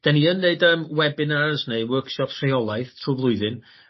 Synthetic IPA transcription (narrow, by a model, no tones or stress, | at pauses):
d̥aniənːeɨdəmwɛbɨnazneɨwərkʃɔpʰrejɔlˠajθtʰruːvlˠʊɨðɨn